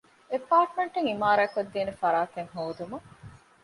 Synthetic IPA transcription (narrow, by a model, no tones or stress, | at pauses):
epaːʈmeɳʈeŋimaːɾɐːkod̪ːiːnefɐɾaːt̪eŋɦoːd̪umɐ